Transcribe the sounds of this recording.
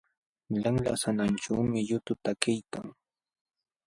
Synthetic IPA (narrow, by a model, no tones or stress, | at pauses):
ʎaŋla̰sananʈ͡ʂaːmɪʎʊt̪ʊt̪akajka̰ŋ